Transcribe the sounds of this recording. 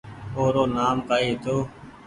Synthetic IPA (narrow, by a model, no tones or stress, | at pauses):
oːɾoːnaːmkaːiːt̪oː